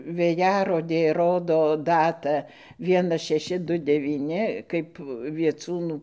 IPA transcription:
ʋʲeːˈjæːroːdʲeː ˈroːdoː ˈdɑːtɑː ˈʋʲiɛnɐs ʃʲɛˈʃʲɪ ˈdʊ dʲɛʋʲiːˈnʲɪ ˈkɐɪp ʋʲiɛˈt͡suːnuː

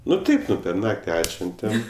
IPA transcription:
ˈnʊ ˈtɐɪp ˈnʊ pʲɛr ˈnɑːktʲɪ ˈɑːtʲʃʲʋʲɛnʲtʲɛm

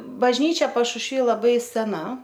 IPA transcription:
bɐʒʲˈnʲiːt͡ʃʲɛ pɐʃʊʃʲˈʋʲiː lˠɐˈbɐɪ sʲɛˈnɐ

